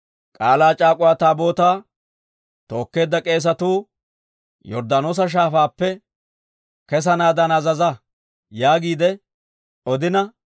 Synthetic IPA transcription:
kʼaːlaːt͡ʃʼaːkʼʊwaːt̪aːbo̞ːt̪aː | t̪o̞ːkːe̞ːd̪ːɐkʼe̞ːs̬ɐt̪uː | jɔɾd̪ɐnoːs̬ɐʃ̬aːfaːpːɛ | kɛs̬ɐnaːd̪ɐnɐzɐzɐ | jaːɡiːd̪ɛ | ɔd̪ɪnɐ

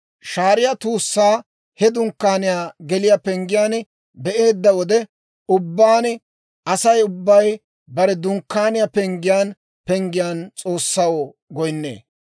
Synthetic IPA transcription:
ʃaːɾɪjat̪uːsːaː | hɛd̪ʊŋkːaːnɪjaːɡɛlɪjapɛŋɡɪjaːn | bɛʔe̞ːd̪ːɐwɔd̪ɛ | ʊbːaːn | ʔɐsɐjʊbːɐj | bɐɾɛd̪ʊŋkːaːnɪjapɛŋɡɪjaːn | pɛŋɡɪjaːnt͡sʼo̞ːsːɐwo | ɡɔjnːḛː

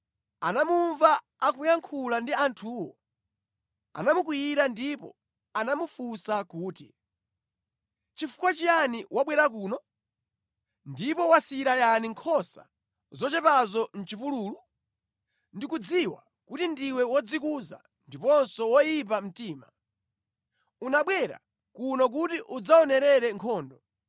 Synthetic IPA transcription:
anamuɱvaː | k̬ujaŋkʰulandiantʰuːwɔ | a̰namuk̬wijiɾandipɔ̰ | anamufusakuːti | t͡ʃifu̥kwat͡ʃianiwaɓwɛɾak̬uːnɔ | ndipɔwasiiɾajaniŋkʰɔsa̰ | zɔt͡ʃɛpazɔn̩t͡ʃipuluːlu | ndikud͡ziwa̰ | kutindiwɛwɔd͡zikuza̰ | ndipɔnsɔwɔjip̬am̩tiːma | unaɓwɛɾa̰ | kunɔk̬utiʔud͡zaɔnɛɾɛɾɛŋkʰɔːndɔ

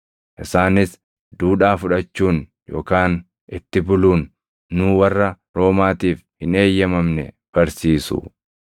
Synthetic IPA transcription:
ʔɪsaːnɪs | d̪uːᶑaːfʊᶑɐt͡ʃːuːn | jo̰ːkaːn | ʔɪt̪ːɪbʊluːnː | uːwɐrːɐ | ɾo̞ːmaːt̪iːfhɪne̞ːjːɐmɐmnɛ̰ | b̥ɐɾsiːsʊ̰

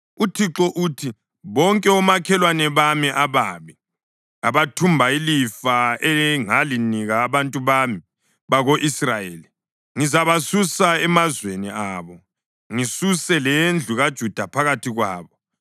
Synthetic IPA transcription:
utʰiǁɔʔuːtʰi | βɔŋkʼɛɔmakʰɛlwanɛβamiʔaβaːmi | aβatʰumbʱailifaeŋaliniɣaːβantʼuβami | βaɣoʔisrajḛːli | ŋizaβasusaɛmazweniaːβɔ | ŋisusɛlɛnd͡ɮʱuɣad̥ʒ̥ʱud̥ʱapʰaɣatʰiɣwaːβɔ

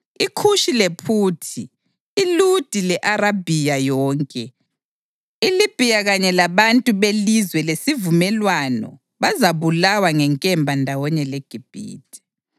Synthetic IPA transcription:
ikʰuʃilepʰuːtʰiː | lud̥ʱilɛʔaɾabʱijajɔːŋkʼɛ | ilib̥ʱijaɣaɲɛlaβantʼuβelizwɛlesivumɛlwanɔ̰ | βazaβulawaŋɛŋkʼɛmbʱandʱawɔɲɛleɡ̥ʱib̥ʱḭːtʼi̥

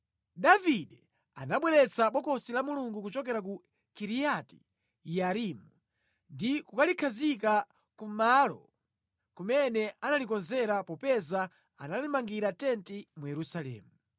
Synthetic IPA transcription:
daviɗɛ | a̰naɓwɛɾɛt͡saɓɔkɔsilamuluŋɡukut͡ʃɔkɛɾak̬u | kiɾijati̥̰ | jaɾimu | ndikukalikʰazika | kumalɔ̰ | kumɛnɛanalikɔnzɛɾapɔpɛza | analimaŋɡiɾatɛntimujɛɾusalɛ̰ːmu

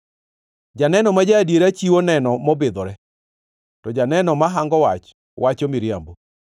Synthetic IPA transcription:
d͡ʒanɛnɔmad͡ʒadjeɾat͡ʃiwonɛnɔmɔbɪd̪ɔɾɛ | tɔd͡ʒanɛnɔmaɦaŋɡɔwat͡ʃ | wʔat͡ʃomiɾijambo

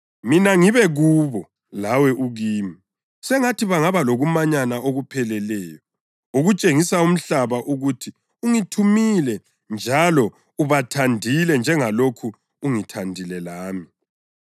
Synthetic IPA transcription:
minaŋiβɛɣuːβɔ | lawɛʔuɣiːmi | sɛŋatʰiβaŋaβaloɣumaɲanaoɣupʰɛlɛlɛːjɔ | uɣut͡ʃʼeŋisaum̩ɬaβaʔuɣutʰi | uŋitʰumilɛ | nd͡ʒʱalɔ | uβatʰandʱilɛnd͡ʒʱɛŋalokʰuː | ŋitʰandʱilɛlaːmi

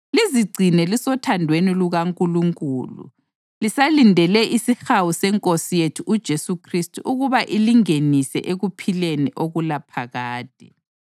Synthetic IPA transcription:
liziɡ͡ǀʱinɛlisɔtʰandʱweniluɣaŋkʼuluŋkʼṵːlṵ | lisalindʱɛlɛʔisixawusɛŋkʼosijetʰuʔud̥ʒ̥ʱesukʰristʰʼuʔuɣuβaʔiliŋenisɛ̰ʔeɣupʰileniʔoɣulapʰaɣaːd̥̚ʱɛ

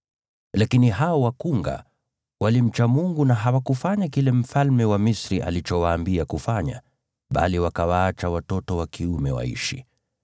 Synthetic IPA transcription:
lakiniɦaɔwakuŋɡa̰ | wʔalim̩t͡ʃamuŋɡunaɦawakufaɲakilɛm̩falmɛwamisɾiʔa̰lit͡ʃɔwaːmbiakufaɲa̰ | ɓa̰liwakawaat͡ʃawatɔtɔwakiumɛwa̰ḭʃḭ

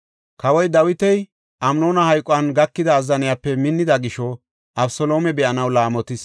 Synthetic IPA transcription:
kɐwɔjd̪ɐwɪt̪ɛj | ʔɐmnoːnɐhɐjkʼʊɐnɡɐkːɪd̪ɐːzːɐnɪjapːɛmɪnːɪd̪ɐɡɪʃɔ | ʔɐbsɔlo̞ːmɛbɛʔɐnɐwlaːmɔt̪ɪs

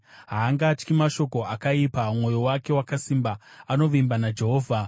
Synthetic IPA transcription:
ɦaːŋɡaːt͡ʃkimaʃo̞ko̞akaipamŋo̞jowake̞wakasimbaano̞ʋimbanad͡ʒe̞ɦo̞ːvʱa

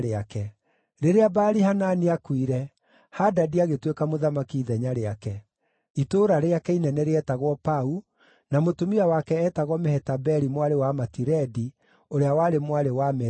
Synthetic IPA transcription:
ɾeakɛ | ɾeɾeabaːɾihananiakwiɾɛ | hadadiaɣetwekamoðamakiːðɛɲaɾeakɛ | itoɾaɾeakɛinɛnɛɾeɛtaɣwɔpau | namotomiawakɛːtaɣwɔmɛhɛtabɛɾimwaɾewamatiɾɛdi | oɾeawaɾemwaɾewamɛ

